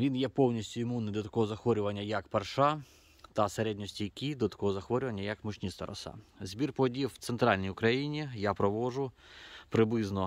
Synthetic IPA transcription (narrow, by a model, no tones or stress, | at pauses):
ʋʲinjɛpɔwnʲisʲtʲʊɪmunːɪjd̪ɔt̪ɐ̥kɔɦɔzɐxʋɔɾʲʊʋɐnʲːɐjɐkpɐrʃɑ | t̪ɐseɾɛdʲnʲɔsʲtʲijɐkʲid̪ɔt̪ɐ̥kɔɦɔzɐxʋɔɾʲʊʋɐnʲːɐjɐkmʊt͡ʃʲnʲist̪ɐ̰ɾɔ̰sɑ̰zʲbʲirpɔdʲifwt̪sent̪ɾɑlʲnʲijʊkɾɐjinʲijapɾɔʋɔʒʊpɾɪblˠɪznɔ